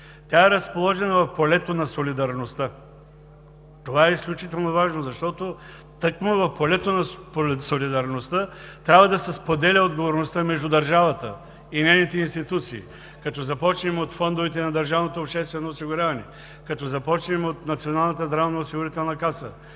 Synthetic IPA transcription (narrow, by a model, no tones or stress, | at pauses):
t̪ʲjaɛɾɐspolˠɔʒɛnɐvɐfpolɛt̪onɐsolid̪ɐɾnost̪ə | t̪ovaɛisklʲut͡ʃit̪ɛlˠnovaʒnozɐʃt̪ɔt̪o | t̪əkmovɐfpolɛt̪onɐpsolid̪ɐɾnost̪ət̪ɾʲabvɐd̪ɐsɛspod̪ɛlʲəod̪ɡovoɾnost̪əmɛʒd̪ud̪ɐɾʒavɐt̪ə̰ | inɛjnit̪ɛinst̪it̪ut̪sḭː | kɐt̪ɔzɐpɔt͡ʃnimot̪fɔnd̪ovɛt̪ɛnɐd̪ɐɾʒavnot̪oːpʃt̪ɛst̪vɛnoːsiɡʊɾʲavɐnɛ̰ | kɐt̪ɔzɐpɔt͡ʃnimot̪nɐt̪sionalˠnət̪əzd̪ɾavnɐosiɡʊɾit̪ɛlˠnɐkasə̰